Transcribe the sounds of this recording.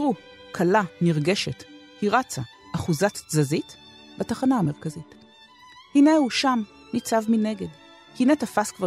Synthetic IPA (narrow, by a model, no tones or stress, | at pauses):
ʁu | kʰalaniʁɡe̞ʃe̞tkiʁat͡saː | χuzatzazit | bataχanaame̞ʁkazit | hinehuʃam | nit͡savmine̞ɡe̞d | hinetafaskva